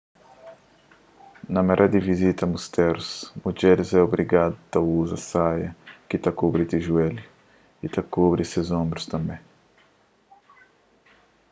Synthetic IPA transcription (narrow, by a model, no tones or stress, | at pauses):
nɐmɛɾʔad̪ivizit̪ɐmust̪ɛɾusmud͡ʒɛɾɪzɛobɾiɡad̪ut̪ɐuzɐsajɐkit̪akubɾit̪iʒuɛlu | it̪akobɾisezõmbɾust̪ɐ̃mbɛ̃